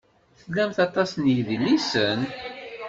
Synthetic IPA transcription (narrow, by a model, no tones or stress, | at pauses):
θəlːæmθɑt̪ˤɑsnjəðilːisən